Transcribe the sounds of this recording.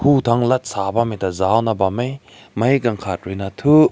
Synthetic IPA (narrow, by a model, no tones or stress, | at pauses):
hutʰaŋlɐt̚sabamitɐzawnɐbamej | mɐjɡɐŋkʰat̚ɾunatʰu